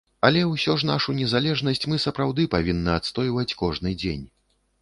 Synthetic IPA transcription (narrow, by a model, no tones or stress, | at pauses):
ɐlʲɛwsʲɔʐn̪aʂunʲɛzalʲɛʐnɐsʲt͡sʲmɨsɐpɾawd̪ɨpavʲinːɐat̪st̪ɔjvɐt͡sʲkɔʐnɨd͡zʲḛnʲ